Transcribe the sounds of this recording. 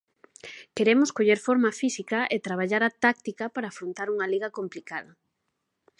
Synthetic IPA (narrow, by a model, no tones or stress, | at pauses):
keɾemoskoʎeɾfoɾmɐfisikɐʔet̪ɾaβ̞aʎaɾat̪ak̚t̪ikɐpaɾaːfɾont̪aɾuŋɐliɣɐkomplikaðɐ